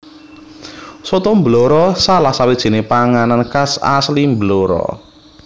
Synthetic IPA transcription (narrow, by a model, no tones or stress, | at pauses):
sɔt̪ɔmbəloɾɔsalahsawed̥ʒ̥i̤nepaŋanankasa̰slimbəloɾɔ̰